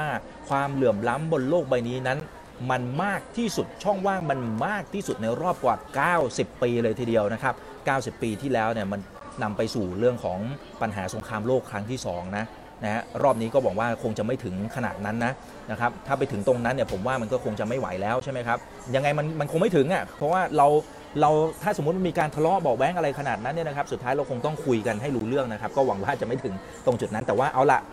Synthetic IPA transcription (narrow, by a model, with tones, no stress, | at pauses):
a˥˩ | kʰwaː˧mlɯ˨˩əmla˦˥mbo˧nloː˥˩k̚ba˧jniː˦˥na˦˥n | ma˧nmaː˥˩k̚t̪ʰiː˥˩su˨˩t̪̚t͡ɕʰɔ˥˩ŋwaː˥˩ŋma˧nmaː˥˩k̚t̪ʰiː˥˩su˨˩t̪̚na˧jɾɔː˥˩p̚kwaː˨˩kaː˥˩wsi˨˩pːiː˧lɤː˧jt̪ʰiː˧˩di˧əwna˦˥kʰa˦˥p̚ | kaː˥˩wsi˨˩pːiː˧t̪ʰiː˥˩lɛː˦˥wni˥˩əma˧nː | a˧mpa˧jsuː˨˩ɾɯ˥˩əŋkʰɔː˩˦ŋ | pa˧nɦa̰ː˩˦so˩˦ŋkʰaː˧mloː˥˩kʰɾa˦˥ŋt̪ʰiː˥˩sɔ̰ː˩˦ŋna˦˥ | na˦˥ha˦˥ɾɔː˥˩p̚niː˦˥kɔː˥˩wɔː˨˩k̚waː˥˩kʰo˧ŋt͡ɕa˨˩ma˥˩jt̪ʰɯ˩˦ŋkʰa˧na̰ː˨˩t̪̚na˦˥nːa˦˥ | na˦˥kʰa˦˥p̚t̪ʰaː˥˩pa˧jt̪ʰɯ˩˦ŋt̪o˧ŋna˦˥nːi˥˩ɐpʰo˩˦mwaː˥˩ma˧nkɔː˥˩kʰo˧ŋt͡ɕa˨˩ma˥˩jwa̰˩˦jlɛː˦˥wt͡ɕʰa˥˩jma˦jkʰa˦˥p̚ | ja˧ŋːa˧jma˧nma˧nkʰo˧ŋma˥˩jt̪ʰɯ˨˩˦ŋʔa˨˩pʰɔ˦˥waː˥˩ɾa˧w | ɾa˧wt̪ʰaː˥˩so˩˦m̚˦˥ma˧miː˧kaː˧nt̪ʰa˧lɔ˦˥ʔbɔː˨˩k̚wɛː˦˥ŋʔa˧ɾa˧jkʰa˧naː˨˩t̪̚na˦˥nːi˥˩ɐna˦kʰa˦˥p̚su˨˩t̪ʰːaː˦˥jɾa˧wkʰo˧ŋt̪ɔ˥˩ŋkʰu˧jka˧nɦa˥˩jɾuː˧˥lɯ˥˩əŋna˦˥kʰa˦˥p̚kɔː˥˩wa˨˩˦ŋwaː˥˩t͡ɕa˨˩ʔma˥˩t̪ʰɯ˩˦ŋ | t̪o˧ŋt͡ɕu˨˩t̪̚na˦˥nt̪ɛː˨˩waː˥˩ʔa˧wla̰˨˩ʔ